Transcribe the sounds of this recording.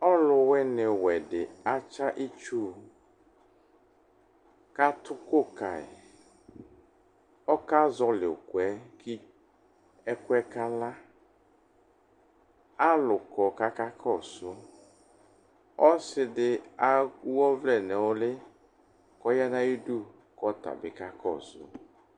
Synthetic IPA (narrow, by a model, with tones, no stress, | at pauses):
ɔ˦lʊ˨wɛ˦nɪ˨wɛ˨dɪ˨a˦t͡ʃa˦ʔi˦t͡ʃu˦˨ | ka˦t̪ʰʊ˦ko˦˨ka̰˨ɪ̰˨ | ɔ˦ka˦zɔ˦lɪ˨kʊ˨ɛ˦kʰɪ˦ | ɛ˦kʊ˦ɛ˦ka˦la˦ | a˦lʊ˨kɔ˨ka˦ka˦kʰɔ˦˨sʊ˦ | ɔ˦sɪ˦dɪ˨a˦ku˦ɔ˦vlɛ˨nɛ˨wɔ˦lɪ˦ | kɔ˦ja˦na˦ji˦du˦˨ | kɔ˦ta̰˨bɪ˨ka˦kɔ̰˦˨sʊ̰˦